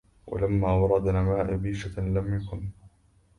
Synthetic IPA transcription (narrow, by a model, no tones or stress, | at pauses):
wa̰lamːaːwɑɾˤɑd̪namaːʔɪbiːʃalamjakʊn